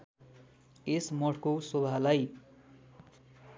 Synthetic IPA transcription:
esmʌʈʰkosobʱalaj

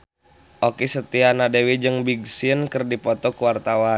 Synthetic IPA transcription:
ʔokisət̪ianadewid͡ʒɨŋbiɡsiənkərdipɔt̪ɔkuwart̪awa

